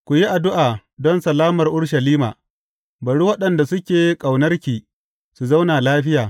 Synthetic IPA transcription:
kʷu˨ji˦ʔa˨dʊ˦ʔaː˨dɔ˦nsɐ˨laː˦mɐ˨rʔʊ˦ɽʃɐ˨liː˦ma̰ː˨ | bɐ˨ɽu˦wɐ˦ɗɐ˨nda˨sʊ˦kʲeː˨jkʼa˨wnɐ˦rkʲiː˨ | su˨za˦wnaː˨laː˦ɸɪ˦jaː˨

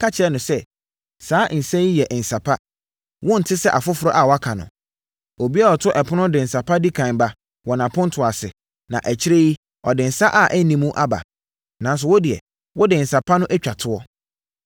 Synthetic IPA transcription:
kʰa˦t͡ɕʰɪ˨˦ɛ˦nʊ̃˨sɛ˦ | saː˨˦n̩˨sɛ̃˦ji˦jɛ˨ʔn̩˨sa˨pʰa˦ | wɔ̃˦n̩˨tʰɪ˦sɛ˦ʔa˨fʊ˦fʊ˦ɾɔ˦ʔa˨wɔ˨˦a˦kʰã˨nʊ̰̃˨ | o˨bi˦a˦ɔ˨tʰʊ˦ʔɛ˨pʰʊ˦nʊ̃˦dɪ˨n̩˨sa˨pʰa˦di˦kʰã˨n˨ba˦ | wɔ˨nã˨pʰʊ̃˦n̩˦tʰʊ˨a˨sɪ̰˨ | nã̰˨ʔæ˨t͡ɕʰɪ˦ɾe˦ji˦ | ɔ̰˨dɪ˨n̩˨sa˦ʔa˨ʔæ˦nĩ˦mũ˦ʔa˦ba̰˨ | nã˨n˦s̬ʊ˨wɔ˦dɪ˨ɛ̰˨ | wɔ˦dɪ˨n̩˨sa˨pʰa˦nʊ̃˦ʔæ˦t͡ɕᶣa˨tʰʊ˦ɔ˦

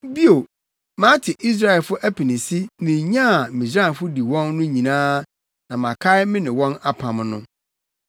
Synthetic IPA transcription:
bi˦o˨ | mã˦tʰɪ˨ʔi˦s̬ɾa˦ɛ˨lfʊ˦ʔæ˦pʰi˨nɪ̃˨si˦nɪ̃˨ɲã˦˨mĩ˨sɾã˦˨nfʊ˦di˨wɔ̃˦nːʊ̃˦ɲĩ˨nãː˦ | nã˨mã˨kʰa˦ɪ˦mɪ̃˦nɪ̃˨wɔ̃˦na˦pʰã˨m˦nʊ̃˦

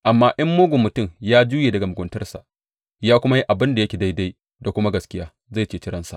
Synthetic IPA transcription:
ʔa˨mːaː˦ʔɐ˦mːoː˦ɡʷʊ˨mːʊ˨tʊ˦˨mjaː˦d͡ʒuː˦jeː˨dɐ˨ɡa˨mʊ˨ɡʷʊ˨ntɐ˦rsa̰˨ʔ | jaː˦kʷʊ˦ma˦ji˦ʔa˨bɪ˦nda˨jɐ˦kʲeː˨da˦jda˦j | da˨kʷʊ˦ma˦ɡɐ˨skʲɪ˦jaː˦ | za˦˨t͡ʃeː˦˨t͡ʃɪ˦ɾɐ˦nsa̰˨ʔ

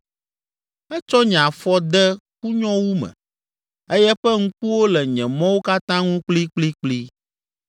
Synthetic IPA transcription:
ɛ˦t͡ʃɔ˦ɲ˨ã˨fɔ˦d̪ɛ˦ku˦ɲɔ̃˦wu˦mɛ̰̃˨ | e˦jɛ˦ɸɛ˦ŋ̩̃˦ku˦wo˦lɛ˨ɲɛ̃˨mɔ̃˦wo˦ka˦t̪ã˦ŋũ˦k͡pli˦k͡pli˦k͡pli˦

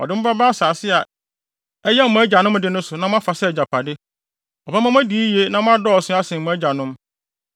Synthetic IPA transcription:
ɔ̰˨dɪ˦m̩˦ba˦ba˦a˦saː˨sɪ˦a˨ | ɛ˦jɛ˦˨ʊ̃˨æ˦d͡ʑa˨nʊ̃˦m˦dɪ˦nʊ̃˦sʊ˨nã˦mʊ̃˦a˦fa˨sɛ˦˨d͡ʑa˨pʰa˨dɪ˦ | ɔ˨ba˦mã˦m˦æ̃˦di˨˦i˦je˦nã˦mʊ̃˦a˦dɔ˦˨sʊ̃˦a˦sɪ̃˨mʊ̃˨˦æ˦d͡ʑa˨nʊ̃˦m

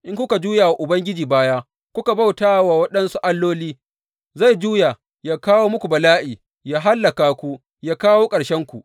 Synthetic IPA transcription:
ʔɪ˦ŋkʷʊ˦ka˨d͡ʒuː˦jaː˨wa˨ʔʊ˨bɐ˦ŋɡʲɪ˦d͡ʒiː˨baː˦ja˦ | kʷʊ˦ka˨ba˦˨wtaː˦wa˨wɐ˦ɗɐ˦nsu˦ʔa˦lːoː˦liː˦ | za˦˨jd͡ʒuː˦ja˨ | jaː˦kaː˦woː˦mʊ˦kʷu˨bɐ˨laː˦ʔiː˨ | jaː˦ɦa˦lːɐ˨kaː˨kʷu˦ | jaː˦kaː˦woː˦kʼɐ˨ɽʃɛ˦ŋkʷu˨ʔ

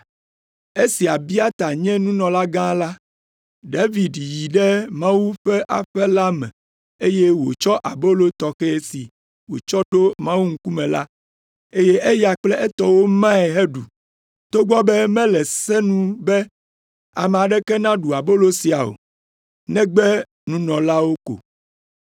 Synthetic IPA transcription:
e˦si˨a˨bi˦a˦t̪a˨ɲɛ̃˦nũ˦nɔ̃˨la˦ɡã˦la˦ | ɖa˦vi˨dji˨ɖɛ˦mã˦wu˦ɸɛ˦ʔa̰˨ɸɛ˦la˦mɛ̰̃˨ | e˦je˦wo̰˨t͡ʃɔ˦ʔa˨bo˦lo˦t̪ɔ˨xɛ˦e˦si˨ | wo̰˨t͡ʃɔ˦ɖo˦mã˦wu˦ŋ̩˦ku˦mɛ̃˨la̰˦ | e˦je˦ʔe˦ja˨k͡plɛ˦ʔɛ˦t̪ɔ˦wo˦mã˦ɛ˨ɦe˦ɖu˨ | t̪o˦ɡ͡bɔ˦bɛ˦mɛ̃˦lɛ˨sɛ˦nũ˦bɛ˦ | a̰˨mɛ˨a˨ɖɛ˦kɛ˦nã˦ɖu˨a˨bo˦lo˦si˨a˨o̰˨ | nɛ̃˦ɡ͡bɛ˦ | nũ˦nɔ̃˨la˦wo˦ko̰˨

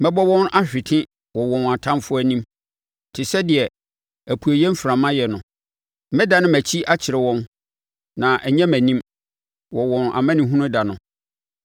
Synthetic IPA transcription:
mɛ̃˦bɔ˦wɔ̃˦nʔa˦ɕᶣɪ˨tʰɪ̃˦ | wɔ˨wɔ̃˨na˨tʰã˦mfʊ˦æ˦nĩ˦m | tʰɪ˨sɛ˦dɪ˨ɛ˨ | æ˨pʰu˨e˨jɛ˦m̩˦fɾã˨mã˦jɛ˨nʊ̃˨ | mɛ̃˦da˨nʊ̃˦mæ˨t͡ɕʰi˦ʔa˦t͡ɕʰɪ˨ɾɪ˨wɔ̃˦n | nã˨ʔɛ˨ɲɛ̃˦mæ̃˨nĩ˦m | wɔ˨wɔ̃˨na̰˨mæ̃˦nɪ̃˨ɦũ˦nʊ̃˦da˨nʊ̃˨

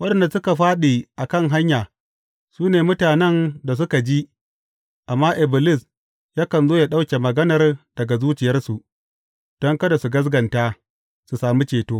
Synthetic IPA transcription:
wɐ˦ɗɐ˨nda˨sʊ˦ka˨ɸaː˦ɗi˨ʔa˨kɐ˦˨ŋɦa˦ɲjaː˨ | suː˦neː˨mʊ˦taː˨nɛ˦nda˨s̬ʊ˦ka˨d͡ʒi˦ | ʔa˨mːaː˦ʔɪ˨bɪ˨lɪ˦s | jaː˦kɐ˨nzoː˦ja˨ɗa˦wkʲe˨mɐ˨ɡɐ˦nɐ˨rd̥ɐ˨ɡa˨zuː˦t͡ʃɪ˨jɐ˦rsu˨ʔ | d̥ɔ˦ŋkɐ˦da˨su˨ɡɐ˦s̬ɡɐ˨ntaː˦ | su˨saː˨mi˦t͡ʃeː˨toː˦

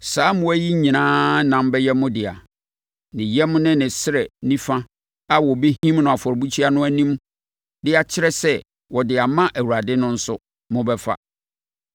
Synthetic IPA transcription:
saː˨˦mʊ̃˦æ˦ji˦ɲĩ˨nãː˦nã˨m˦bɛ˦jɛ˦mʊ̃˦dɪ˨a̰˨ | nɪ̃˨jɛ˦mʊ̃˦nɪ̃˦nɪ̃˨sɪ˦ɾɛ˨nĩ˦fã˦ | a˦wɔ˨be˦ɦĩ˦mnʊ̃˨a˨fɔ˨ɾbu˦t͡ɕʰi˦a˦nʊ̃˦æ˦nĩ˦m | dɪ˦a˨t͡ɕʰɪ˦ɾɛ˦sɛ˦ | wɔ˨dɪ˨a˨mã˦ʔæ˨wu˨ɾa˨dɪ˦nʊ̃˦n̩˦sʊ˦ | mʊ̃˦bɛ˦fa̰˦

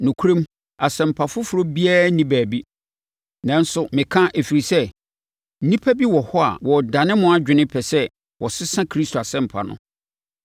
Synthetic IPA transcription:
nʊ̃˨kʰu˦ɾẽ˦m | a˨sɛ̃˨m̩˨pʰa˨fʊ˦fʊ˨ɾo˦bi˦aː˦nĩ˦bæ˨bi˦ | nã˨n̩˦sʊ˨mɪ̃˨kʰã˦ʔe˨fi˨ɾi˨sɛ˦ | n̩˦nĩ˦pʰæ˦bi˦wɔ˨hɔ˦a̰˨wɔ˨dã˨nɪ̃˦mʊ̃˦a˨d͡ʑᶣɪ˨nɪ̃˦pʰɛ˨sɛ˦ | wʔɔ˨sɪ˦sã˦kʰɾi˦stʰo˨a˨sɛ̃˦m˨pʰa̰˨nʊ̰̃˦

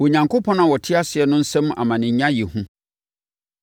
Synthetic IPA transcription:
wɔ˨ɲã˨ŋkʰo˦pʰɔ̃˦nã˨wɔ˨tʰɪ˦a˦sɪ˨ɛ˨nʊ̃˦n̩˦sɛ̃˦m˦a̰˨mã˨nɪ̃˨ɲ˦ɲã˦ji˨hũ˦

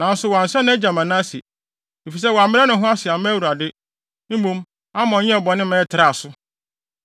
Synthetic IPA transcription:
nã˨n̩˦sʊ˨wɔ˨a˨n̩˨sɛ˦nʊ̃˦æ˦d͡ʑã˨mã˨nã˦si˨ | e˨fi˨s̬ɛ˦wɔ˨a˨mɪ̃˦ɛ˦nʊ̃˨ɦʊ̃˦a˦sɪ˨a˨mɛ̃˦wu˨ɾa˨dɪ˦ | nʊ̃˦mõ˦m | a˦mɔ̃˨˦ɲɛ̃˦ɛ˦˨bɔ˨nɪ̃˦mɛ̃ː˦tʰɪ˨ɾa˨sʊ˦

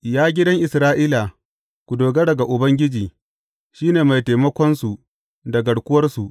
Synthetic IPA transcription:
jaː˦ɡʲɪ˦dɐ˦ŋʔɪ˨sɾaː˦ʔiː˦la˨ | kʷu˨doː˨ɡɐ˦dɐ˨ɡa˨ʔʊ˨bɐ˦ŋɡʲɪ˦d͡ʒiː˨ | ʃiː˦neː˨ma˨jta˨mɐ˦kʷɔ˦nsu˨ | dɐ˨ɡɐ˨ɽkʷʊ˦wɐ˦rsu˨ʔ

